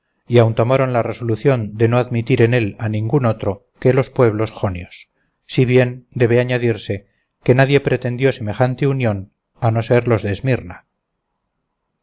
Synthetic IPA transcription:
iawnt̪o̞maɾo̞nlare̞so̞luθjo̞nd̪e̞no̞aðmit̪iɾe̞ne̞lanĩŋɡuno̞t̪ɾo̞ | ke̞lo̞spwe̞β̞lo̞sxo̞njosː | iβ̞je̞nd̪e̞βeaɲaðiɾse̞ | ke̞naðje̞pɾe̞t̪e̞nd̪jo̞se̞me̞xant̪eunjo̞n | ano̞se̞ɾlo̞zðeːzmiɾna

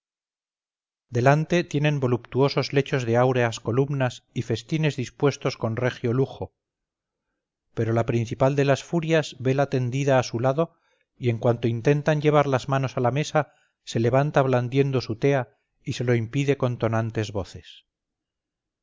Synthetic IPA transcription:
d̪e̞lant̪e̞t̪jenẽ̞mbo̞lupt̪uo̞so̞zle̞t͡ʃo̞zðeawɾe̞asko̞lumnasife̞st̪ine̞zðispwe̞st̪o̞sko̞nrexjo̞luxo̞ | pe̞ɾo̞lapɾin̟θipald̪e̞lasfuɾjazβe̞lat̪e̞nd̪iðaːsulaðo̞ | ie̞ŋkwant̪o̞int̪e̞nt̪aɲʎe̞β̞aɾlazmano̞salame̞sa | se̞le̞β̞ant̪aβ̞land̪je̞nd̪o̞sut̪e̞a | ise̞lo̞impiðe̞ko̞nt̪o̞nant̪e̞zβo̞θe̞s

